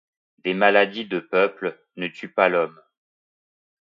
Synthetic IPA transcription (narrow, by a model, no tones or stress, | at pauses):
d̪emalad̪id̪əpœpl | nət̪ypalɔm